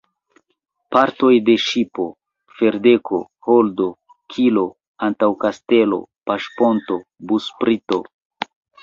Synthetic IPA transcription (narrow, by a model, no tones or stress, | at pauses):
paɾto̞jde̞ʃipo̞ | fe̞ɾde̞kʰo̞ | holdo̞ | kʰilo̞ | antawkaste̞lo̞̰paʃpo̞nto̞ | buspɾito̞